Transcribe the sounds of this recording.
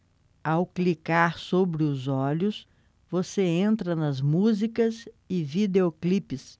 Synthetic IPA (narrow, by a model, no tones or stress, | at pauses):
awklikaɾsobɾɪʊzɔʎʊs | voseẽnt̪ɾɐnɐzmuzikɐz | ɪvid̪eoklipɪs